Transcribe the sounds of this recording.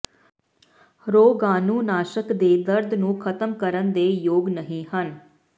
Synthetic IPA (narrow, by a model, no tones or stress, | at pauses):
ɾoːɡaːnũːnaːʃəkd̪eːd̪əɾd̪nũːkʰət̪əmkəɾənd̪eːjoːɡnəɦĩːɦən